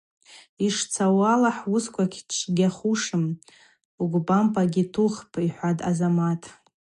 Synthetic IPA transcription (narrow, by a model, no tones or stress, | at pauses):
iʂt͡sʰawalaħwuskʷʰakʲʰʈ͡ʂʰɡʲaχuʂɨm | uɡʷbampʼaɡʲitʰuχpʰʼiħʷada̰zamatʰʼ